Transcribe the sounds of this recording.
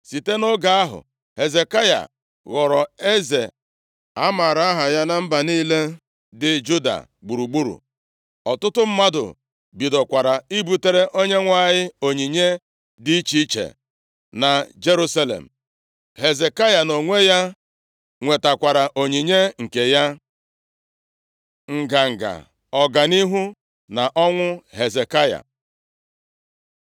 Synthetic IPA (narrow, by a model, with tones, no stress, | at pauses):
si˨te˦nʊ˦ɡa˨a˦ɦʊ̰˨ | he˨ze˨ka˦ja̰˨ | ɣɔ˨ɾɔ˨e˦zḛ˨ | a˦ma˨ɾa˦a˦ɦa˨ja˦na˦m̩˦ba˨niː˦le˦ | dɪ˨d͡ʒu˦da̰˨ | ɡ͡bu˨ɾu˨ɡ͡bu˦ɾṵ˨ | ɔ˨tʊ˦tʊ˦m̩˦ma˦dʊ̰˨ | bi˨dɔ˨kʷa˨ɾa˨i˦bu˨te˦ɾe˦ʔo˦ɲe˦ŋʷa˦˨ɲɪ˦o˨ɲi˨ɲe˦ | di˦t͡ʃi˦t͡ʃḛ˨ | na˨d͡ʒe˦ɾu˦sa˦lḛ˨m̩˨ | ɦe˨ze˨ka˦ja˨no˨ŋʷe˦ja˦ | ŋʷe˨ta˨kʷa˨ɾa˨ʔo˨ɲi˨ɲe˦ŋ̩˨ke˨ja˦ | ŋ̩˨ɡa˨ŋ̩˨ɡa̰˨ | ɔ˨ɡa˨ni˦ɦu˦ | na˨ʔɔ˦ŋʷʊ˦ɦe˨ze˨ka˦ja̰˨